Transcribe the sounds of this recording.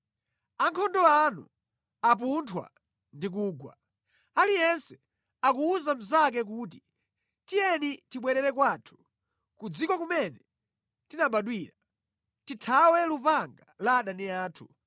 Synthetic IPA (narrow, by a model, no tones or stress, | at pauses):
aŋkʰɔndɔanṵ | ap̬untʰwa̰ | ndik̬uːɡwa̰ | alijɛnsɛ | akuːzam̩zak̬ɛk̬uːt̬i | tijɛnitiɓwɛɾɛɾɛkwaːtʰu̥ | kud͡zikɔkumɛnɛ | tinaɓaɗwiɾa | titʰawɛlupaŋɡalaːɗaniaːtʰṵ